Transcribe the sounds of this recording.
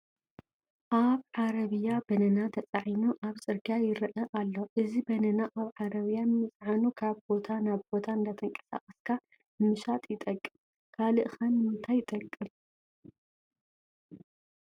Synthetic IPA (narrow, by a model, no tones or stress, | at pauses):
ʔaβʕaɾɐβɨjːabɐnɐnat̪ʰɐt͡sʼaʕinuʔaβsʼɨɾɡajɪɾɨʔɐʔalːo̞ʔɨzibɐnɐnaʔaβʕaɾɐβijanɨmɨt͡sʼʕanukʰaβbo̞t̪ʰanaβbo̞t̪ʰaɨnd̪ɐt̪ʰɐŋkʼɐ̥sa̰χʼɐskʰa | ɨmɨʃat̪ʼjɪt̪ʼɐkʼːɨm | kʰalɨʔxɐnmɨnt̪ʰajɪt̪ʼɐkʼːɨm